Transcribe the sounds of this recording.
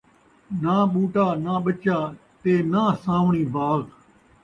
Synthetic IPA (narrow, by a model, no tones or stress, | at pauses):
naːɓuːʈaːnãːɓət͡ʃaːt̪eːnaːsãːʋɳiːbaːɣ